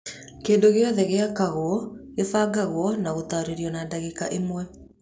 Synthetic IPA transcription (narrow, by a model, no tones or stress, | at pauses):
keːndoɣeɔðɛɣeakaɣwɔefaɡaɣwɔnaɣot̪aɾeɾiɔnadaɣekaʔemwɛ